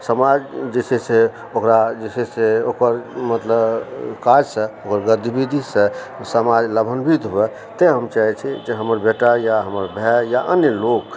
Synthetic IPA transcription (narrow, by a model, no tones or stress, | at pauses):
səmad͡ʒd͡ʒesɛse | okɾad͡ʒeseseokəɾmət̪ləbkad͡ʒsə̃okəɾɡəɾd̪ʱibid̪ʱisə̃ | səmad͡ʒləbʱənbʱit̪ɦobɛ | t̪eɦəmt͡ʃaɦɛt͡ʃʰɛd͡ʒeɦəməɾbeʈajaɦəməɾbʱɛjaʔənjəlok